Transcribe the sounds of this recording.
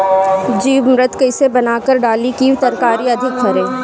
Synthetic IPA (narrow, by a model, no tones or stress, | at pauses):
d͡ʒiːʋmɾɪt̪kɐɪsebɐnaːkəɾɖaːlikiːʋt̪ɐɾkaːɾiɐd̪ʱɪkbʰɐɾẽː